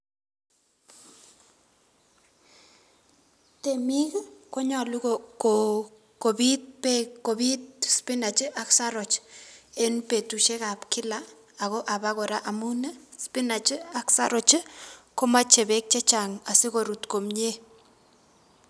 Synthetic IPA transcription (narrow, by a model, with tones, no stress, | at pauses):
te˨mi˦kko˦ɲɔ˨lu˦ɡoko | kobitpekobi˦tspɪ˦na˨t͡ʃɪ˦ʔa˦ksaɾo˨t͡ʃe˦npe˨tu˨ʃe˦ka˨pkɪ˦laː˨ | ɣo˦ʔa˨baɣo˨ɾa˦ʔa˨mu˦nə˦spɪ˦na˨t͡ʃɪ˦a˦ksa̰˦ɾɔ˨t͡ʃɪ˦ko˦ma˦t͡ʃe˨be˦k̚t͡ʃe˦t͡ʃa˨ŋa˨sɪ˦ko˨ɾu˨tko˨mɲe˦